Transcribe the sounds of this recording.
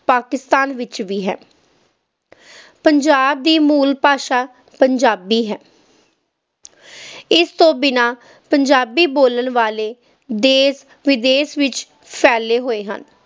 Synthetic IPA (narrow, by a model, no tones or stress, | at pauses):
paːkɪst̪aːnʋɪt͡ʃʋiːɦɛ̰ː | pəɲd͡ʒaːb̚d̪iːmuːlpaːʃaː | pəɲd͡ʒaːbiːɦɛː | ɪst̪õːbɪnãː | pəɲd͡ʒaːbiːboːlənʋaːleː | d̪eːs | ʋɪd̪eːsʋɪt͡ʃ | pʰɛːleːɦoːeːɦə̰n